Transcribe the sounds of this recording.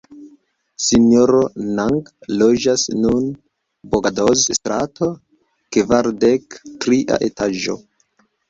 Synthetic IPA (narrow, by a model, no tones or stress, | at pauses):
sinjoɾonaŋɡlod͡ʒasnun | boɡadozstɾato | kvaɾdektɾiʔa̰ʔetaʒo̞̰